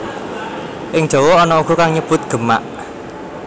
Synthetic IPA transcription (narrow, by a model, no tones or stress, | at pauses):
ʔɪŋd̥ʒ̥o̤wɔɔnɔuɡ̥ukaŋɲəb̥ʊt̪̚ɡ̥ə̤ma̰ʔ